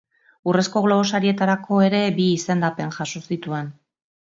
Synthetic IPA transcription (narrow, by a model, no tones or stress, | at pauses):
ure̞sko̞ɣlo̞ɣo̞saɾie̞t̪aɾakʰo̞e̞ɾe̞biːse̞nd̪ape̞nʝasosit̪ue̞n